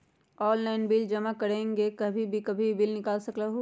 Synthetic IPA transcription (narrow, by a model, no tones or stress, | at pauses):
ɔːnlaɪnbiːld͡ʒɐmakɐɾẽːŋɡekɐbʱibʱikɐbʱibɪlnɪkaːlsɐklaɦo